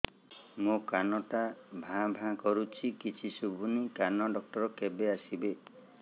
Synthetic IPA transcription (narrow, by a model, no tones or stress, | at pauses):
mukanɔʈabʱãbʱãkɔɾut͡ʃʰikit͡ʃʰisubʱunikanɔɖɔk̚ʈɔɾɔkebeasibe